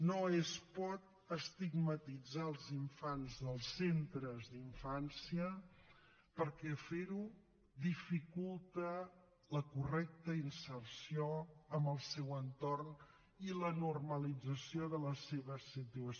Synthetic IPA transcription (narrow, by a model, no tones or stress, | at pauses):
noespɔt̪̚ | əst̪iɡmət̪id͡zaəlˠziɱfanzðəlˠsent̪ɾəzðiɱfansiə | pəɾkɛfeɾu | d̪ifikulˠt̪ə | ləkurɛk̚t̪əinsərsioəmbəlˠsɛwənt̪orn | ilənurməlid͡zəsioðələseβəsit̪uə